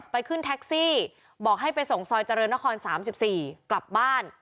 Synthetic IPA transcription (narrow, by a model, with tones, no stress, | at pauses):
pːa˧jkʰɯ˥˩nt̪ʰɛ˦˥k̚siː˥˩ | bɔː˨˩k̚ɦa˥˩jpa˧jso˨˩ŋsɔː˧jt͡ɕa˧ɾɤː˧nːa˦˥kʰɔː˧nsaː˩˦msi˨˩p̚siː˨˩kla˨˩p̚baː˥˩n